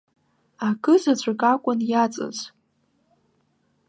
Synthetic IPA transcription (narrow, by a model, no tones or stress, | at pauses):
akʰʼɨzat͡ɕʷʰakʼakʷʼʊnjat͡sʼɨ̰z